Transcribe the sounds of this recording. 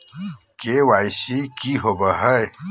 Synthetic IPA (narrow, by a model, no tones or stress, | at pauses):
kewajsikiɦobəɦəj